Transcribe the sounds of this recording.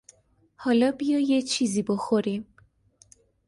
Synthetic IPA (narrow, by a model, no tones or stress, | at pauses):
hɒlɒbijɒjet͡ʃʰiziboxoɾim